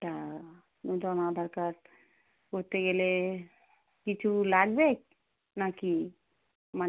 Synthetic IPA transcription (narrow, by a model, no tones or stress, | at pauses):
ta | nũd̪ɔnab̪ʱəɾkəɾ | kot̪eɡele | kit͡ʃʰulaɡbek | naki | ma